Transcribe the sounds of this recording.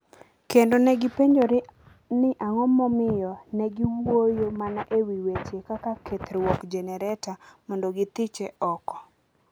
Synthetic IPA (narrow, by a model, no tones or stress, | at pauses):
kendonɛɡɪpeɲd͡ʒoɾ | nɪʔaŋɔmɔmɪjɔnɛɡiwojomanaʔewiwet͡ʃekakakʰet̪ɾwɔkd͡ʒɛnɛɾɛtamɔndoɡɪt̪ɪt͡ʃeɔkɔ̥